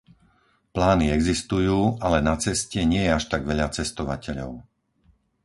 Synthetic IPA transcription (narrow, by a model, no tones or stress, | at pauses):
plaːniɛɡzist̪ujuːalɛnat͡sɛscɛɲɪɛjɛaʃt̪aɡʋɛʎat͡sɛst̪ɔʋacɛʎɔ̰ʊ